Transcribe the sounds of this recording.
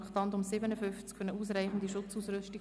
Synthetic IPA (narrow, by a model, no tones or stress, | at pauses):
χtɑnd̪ʊmsɪbənəfʏnft͡skʰfœnəuːs̬raɪχn̩d̪iʃʊt͡suːsrʏsti